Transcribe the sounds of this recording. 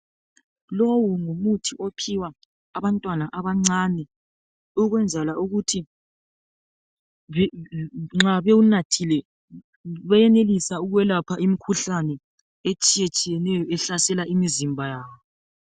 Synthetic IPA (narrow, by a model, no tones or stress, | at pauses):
lowuŋumutʰiʔopʰiwaː | βantʼwanaʔaβaŋ͡ǀanɛ | uɣwɛnd͡zʱalauɣutʰi | ŋ͡ǁaβɛunatʰilɛ | βɛjɛnelisauɣwɛlapʰaʔimikʰuɬanɛ | et͡ʃʼiet͡ʃʼijɛnɛjɔɛɬasɛlaʔimizimbʱajaːβɔɔ